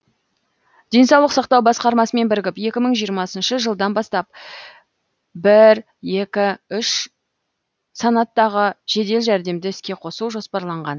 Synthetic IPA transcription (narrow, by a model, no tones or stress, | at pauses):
d̪̥e̞nsɑwlˠəqsɑqt̪ɑwbɑsqɑɾmɑsəme̞nbɪɾɡʲɪpje̞kʲɪməɴʒijəɾmɑsənʃəʒəlˠd̪ɑnbɑst̪ɑp̚ | bɪɾ | je̞kʲɪʏʃ | sɑnɑt̪ːɑʁəʒ̥e̞d̪e̞lʒæɾd̪e̞md̪ɪɪskʲe̞qʰo̞suʒo̞spɑɾlˠɑɴʁɑn